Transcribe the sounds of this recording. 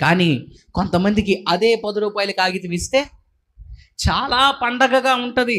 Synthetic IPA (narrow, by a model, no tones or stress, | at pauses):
kaːniːko̞nt̪ɐmɐnd̪ikiʔɐd̪e̞ːpɐd̪uɾuːpaːjɐlukaːɡit̪iʋist̪e̞ː | t͡ʃaːlaːpɐɳɖɐɡɐɡaːuɳʈund̪i